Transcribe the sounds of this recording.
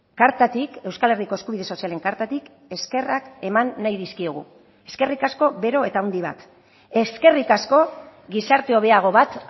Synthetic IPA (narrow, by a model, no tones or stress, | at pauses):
kaɾt̪at̪ike̞wskale̞riko̞eskuβið̞e̞so̞siale̞ŋkaɾt̪at̪ik | e̞ske̞rake̞manːajðiskioɣ̞ṵ | e̞ske̞rikasko̞βe̞ɾo̞e̞t̪auwnd̪iβ̞a̰t̪ | e̞ske̞rikasko̞ɡisaɾt̪e̞o̞βe̞aɣ̞o̞βat̪